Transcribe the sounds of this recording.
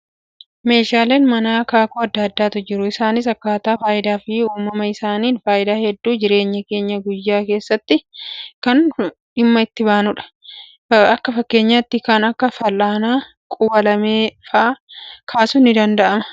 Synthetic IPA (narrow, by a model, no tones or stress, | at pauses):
me̞ːʃaːle̞ːnmɐnaːkaːkuːɐd̪ːɐːd̪ːaːt̪ʊd͡ʒɪɾʊɪsaːnɪs̬ɐkːaːt̪aːfaːʔɪd̪aːfɪuːmɐmɐɪsaːniːnfaːʔɪd̪aːhɛd̪ːuːd͡ʒɪɾe̞ːɲːɐke̞ːɲːɐɡʊjːaːke̞ːsːɐt̪ːɪkɐn | ᶑɪmːɐɪt̪ːɪbaːnʊᶑɐ̥ | ɐkːɐfɐkːe̞ːɲːaːt̪ːɪkɐnɐkːɐfɐlːaːnaː | kʼʊwɐlɐmeːfaːkʰaːsʊnːɪd̪ɐnd̪ɐʔɐmɐ̥